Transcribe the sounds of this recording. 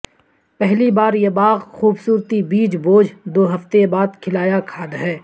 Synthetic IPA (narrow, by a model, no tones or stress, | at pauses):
pɛɦlibaːɾjebaːɣxuːbsuːɾt̪ibiːd͡ʒboːd͡ʒʱd̪oːɦɐft̪ebaːd̪kʰɪlaːjakʰaːd̪ɦɛː